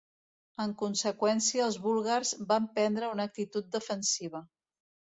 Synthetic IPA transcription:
əŋkunsəkwɛnsiəːlˠzβulˠɣarzbampɛnd̪ɾəunək̚t̪it̪ut̪̚d̪əfənsiβ̞ə

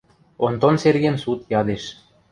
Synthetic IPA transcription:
ont̪onserɣemsut̪jɑd̪eʃ

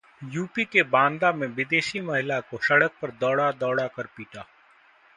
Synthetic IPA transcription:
juːpikebãːnd̪amẽʋɪd̪eːʃimɐɦɪlakosɐɽək̚pɐɾd̪ɔːɽad̪ɔːɽakɐɾpiːʈaː

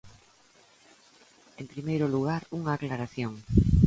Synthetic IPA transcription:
empɾimejɾʊluɣ̞aɾuŋaːklaɾaθjoŋ

